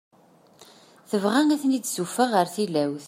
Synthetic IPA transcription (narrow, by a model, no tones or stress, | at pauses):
θəvʁæŋæθnid̪sufæʁəɾθilæwθ